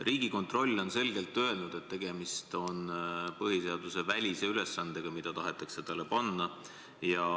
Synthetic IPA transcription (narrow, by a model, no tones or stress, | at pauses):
riːɡ̥iko̞nt̪ˑro̞lʲːo̞nse̞lɡ̥e̞lt̪ːˑø̞e̞lnud̪̥e̞t̪ːe̞ɡ̥e̞mist̪o̞npɤɦise̞ɑd̪use̞vælʲise̞yle̞sːɑnd̪̥e̞ɡ̥ɑmid̪̥ɑt̪ɑɦe̞t̪ːˑɑkset̪ɑlepɑnːɑ | jɑ